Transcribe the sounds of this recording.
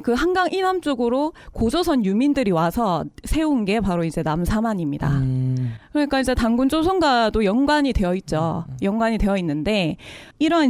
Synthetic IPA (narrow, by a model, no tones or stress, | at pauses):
kɯɦanɡaŋʔinamt͡ɕ͈oɡɯɾokod͡ʑʌsʰʌnjumindɯɾiwasʰʌsʰe̞unɡe̞paɾoid͡ʑe̞namsʰamaɲimɲida̰ | kɯɾʌɲik͈aid͡ʑe̞taŋɡund͡ʑosʰʌŋɡadojʌŋɡwaɲidwe̞jʌit̚t͡ɕ͈ojʌŋɡwaɲide̞jʌinːɯnde̞iɾʌ